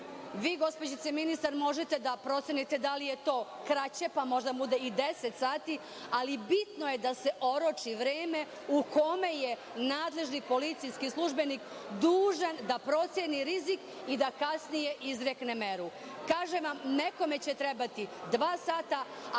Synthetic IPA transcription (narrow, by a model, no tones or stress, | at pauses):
ʋiːɡo̞spod͡ʑit̪seminist̪aɾmo̞ʒet̪e̞d̪apɾo̞t̪sjenit̪e̞d̪alije̞t̪o̞ː | kɾat͡ɕe̞pamo̞ʒd̪abud̪eid̪eset̪saːt̪i | alibit̪nojed̪ase̞ʔo̞ɾot͡ʃiʋɾeːme̞ | uko̞me̞je | naːd̪le̞ʒnipo̞lit̪sijskislˠuʒbe̞nik | d̪uːʒand̪apɾo̞t̪sjeniɾizik | id̪akasnije̞ʔizɾeknemeɾu | kaːʒeʋamne̞ko̞me̞t͡ɕe̞t̪ɾebat̪id̪ʋaːsaːt̪a